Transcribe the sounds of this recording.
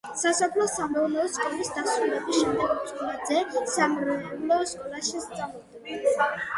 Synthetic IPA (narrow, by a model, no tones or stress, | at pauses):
sasɔpʰlˠɔsamɛvlɛɔskʼɔlisd̪asɾulɛbisʃɛmd̪ɛɡɔt̪sʼkʼɔlad̪zɛsamɾɔɛblɛɔskʼɔlˠaʃist̪sʼalɔ | ɛba